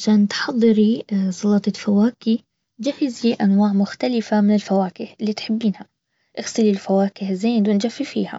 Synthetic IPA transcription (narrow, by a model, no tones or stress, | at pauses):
ʕaʃaːnt̪ħɑðˤːɨɾisˤɑlɑt̪ˤɑfawaːki | d͡ʒafɪziʔanwaːʕmʊxt̪alɪfamɪnɪlfawaːkɪhɪlːiːt̪ħɪbːiːnha | ʔɪɣsɪlilfawaːkɪhzeːd̪wɪnd͡ʒafːifḭːha̰